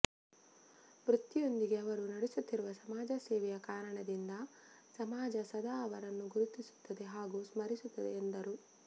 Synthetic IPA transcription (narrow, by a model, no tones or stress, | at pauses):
mɾut̪ːijo̞nd̪iɡeɐʋɐɾunɐɽesut̪ːiɾuʋɐsɐmaːd͡ʒɐseːʋɛjɐkaːɾɐɳɐd̪ind̪ɐ | sɐmaːd͡ʒɐsɐd̪ʱaːɐʋɐɾɐnːuɡuɾut̪ːisu̥t̪ːɐd̪e̞ɦaːɡusmɐɾisut̪ːɐd̪eːnd̪ɐɾu